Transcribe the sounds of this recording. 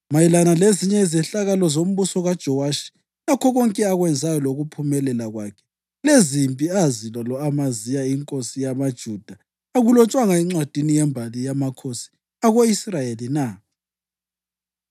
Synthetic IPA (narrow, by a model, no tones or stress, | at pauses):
majilanaleziɲɛizɛɬaɣalɔzom̩βusɔɣad̥ʒ̥ʱɔwaʃi̥ | lakʰɔɣɔŋkʼɛaɣwɛnd͡zʱajɔloɣupʰumɛlɛlaɣwakʰɛ̥ | lezimpʼiazilalɔamazijaiŋkʼosijamad̥ʒ̥ʱud̥ʱa | aɣulɔt͡ʃʼwaŋaɛŋ͡ǁad̥ʱinijɛmbʱalijamakʰosi̥ | aɣoisrajelina